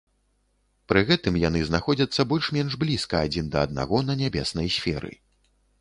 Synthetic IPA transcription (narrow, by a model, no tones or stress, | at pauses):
pɾɨɣɛt̪ɨmjan̪ɨznaxɔd͡zʲɐt̪sːɐbɔlʲʂmʲɛnʂblʲiskɐad͡zʲind̪ɐːd̪̚na̰ɣɔnɐnʲabʲɛsnɐjsʲfʲɛɾɨ̰